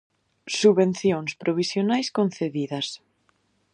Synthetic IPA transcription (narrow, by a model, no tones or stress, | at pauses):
suβenθjoŋspɾoβ̞isjonajskonθeðiðɐs